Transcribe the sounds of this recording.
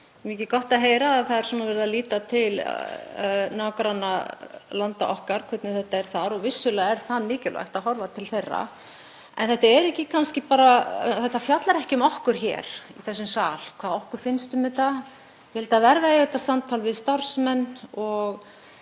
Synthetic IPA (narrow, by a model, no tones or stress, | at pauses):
micɪkɔht̪aðɦeːjɾaːðθaðɛɾ̥sɛmavɛɾɪðaliːt̪at̪ʰɪl̰ | naːwkɾanːalant̪a̰ʔɔhkaɾ̥kʰvɛt̪nʏθɛht̪ːaɛɾ̥θaɾɔɣvɪsːʏlaɛɾ̥θanmɪːcɪlva̰jxt̪aðɦɔɾvat̪ʰɪlθejrːa̰ | ɛ̰nθɛht̪aɛɾɛhcɪkʰanscɪpaːɾaθɛht̪ːafjat̪laɾɛhcɪmɔhkʏɾ̥çɛ̰ːɾ̥iθɛsːʏmsaːlkʰvaːðɔhkʏɾ̥fɪnst̪ʏmɪðt̪a | jhɛlt̪avɛɾðaejɣɛt̪ːasamt̪ʰalvɪðst̪aɾ̥smɛnːɔɣ